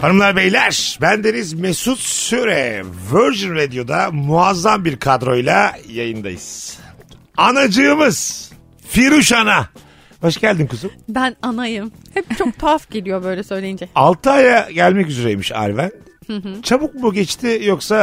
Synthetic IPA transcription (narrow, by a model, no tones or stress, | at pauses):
panɯmlˠaɾbejlʲæɾ̥bænd̪enizmesut̪syɾɛvøɾʒinɾed̪ijo̞d̪amuazːambiɾkʰad̪ɾo̞jlʲˠajajɯnd̪ajɯ̰z̥ | anad͡ʒɯɯmɯz̥ | fiɾuʃana | b̥aʃɟælʲd̪imkɯzumbænanajɯm | hɛpt͡ʃʰok̚t̪ʰafɟ̥elʲijo̞bøjlʲɛsø̞jlʲejind͡ʒɛalˠt̪ʰɯaːjaɟælʲmɛcyzyɾejmiʃa̰ɾvænd̪̥hɯ̃t͡ʃʰabuk̚buɟɛt͡ʃt̪ʰɪjo̞ksa